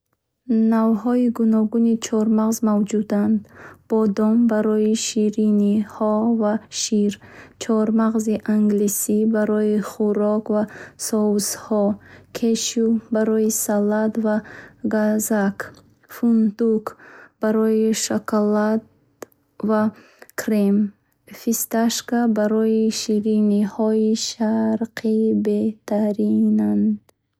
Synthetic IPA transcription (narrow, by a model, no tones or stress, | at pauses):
navɦɔiɡunɔɡunit͡ʃʰɔɾmaʁzmavd͡ʒud̪and̪b̥ɔd̪ɔmbaɾɔiʃiɾinihɔvaʃiɾt͡ʃʰɔɾmaʁziʔaŋɡlisibaɾɔjiχuɾɔkvasɔwshɔkʰeʃubaɾɔisalat̪vaɡazak | fund̪ukb̥aɾɔiʃakʰalat̪ | va | kʰɾim | fist̪aʃkabaɾɔiʃiɾinihɔiʃaɾqʰibeht̪ʰaɾinand̪